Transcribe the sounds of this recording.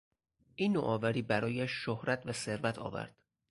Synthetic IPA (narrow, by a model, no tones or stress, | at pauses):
ʔiːnːo̰ʔɒːvæɾiːbæɾɒːjæʃːohɾæt̪ʰvæse̞ɾvæt̪ʰɒ̰ːvæ̰ɾd̪̥